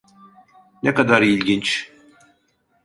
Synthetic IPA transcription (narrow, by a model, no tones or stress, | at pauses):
nɛkad̪aɾilʲɟint͡ʃ